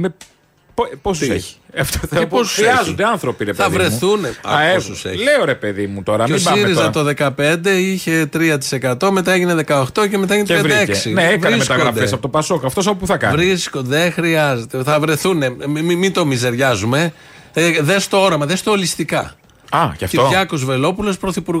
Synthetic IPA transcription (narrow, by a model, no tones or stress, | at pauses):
me | pposḛ̥ɐft̪oposɾiɐzond̪eɐnθɾopiɾepθɐvɾe̞θuneɐ̰ɐesusḛleoɾe̞peðimut̪o̞ɾɐmesiɾizɐt̪o̞ðe̞kɐpe̞nd̪e̞içe̞t̪ɾiɐt̪i̥se̞kɐt̪o̞me̞t̪ɐeʝine̞ðe̞kɐoxt̪o̞cemet̪ɐeʝinet̪peɾd̪eekssineevɐɾeismest̪ɐɣoɾɐfd̪esɐpot̪opɐso̞kɐft̪o̞s̬ɐpopuθɐkɐnvɾiskond̪exɾiɐze̞t̪eθɐvɾe̞θune̞imit̪o̞mize̞ɾʝɐzume̞ | ðest̪o̞o̞ɾɐmɐðest̪oːlist̪ikɐ̰ | ɐɐft̪oʝɐkozve̞lo̞pulo̞spɾoθipuɾɣ